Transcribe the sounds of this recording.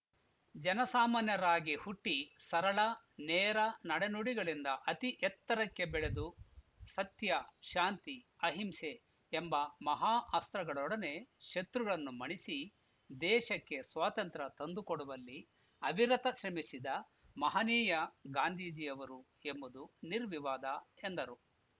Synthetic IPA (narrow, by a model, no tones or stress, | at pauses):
d͡ʒɐnɐsaːmaːnjɐɾaːɡihuʈːisɐɾɐɭɐ | nɛːɾɐnɐɽenuɽiɡɐɭind̪ɐʔɐt̪iʔɛt̪ːɐɾɐkːe̞bɛɭe̞d̪u | sɐt̪jɐʃaːnt̪i | ɐɦimseː | mbɐmɐɦaːʔast̪ɾɐɡɐɭɔɽɐne̞ʃet̪ɾuɡɐɭɐnːumɐɳisi | d̪ɛːʃɐkːe̞sʋaːt̪ɐnt̪ɾɐt̪ɐnd̪ukoɽuʋɐlːi | ɐʋiɾɐt̪ɐʃɾɐmisid̪ɐ | mɐɦɐniːjɐɡaːnd̪ʱiːd͡ʒijɐʋɐɾu | e̞mbud̪uniɾʋiʋaːd̪ɐend̪ɐɾu